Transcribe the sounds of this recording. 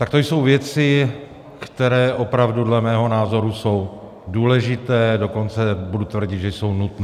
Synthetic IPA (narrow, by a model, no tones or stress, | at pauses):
t̪ak̚t̪o̞jso̞wvjɛt͡sɪ | kt̪ɛɾɛːʔo̞pɾavdudlɛmɛːɦo̞naːzo̞ɾuso̞w | duːlɛʒɪt̪ɛːdo̞ko̞nt͡sɛbudut̪vr̩ɟɪt̪ʒɛjso̞wnut̪nɛː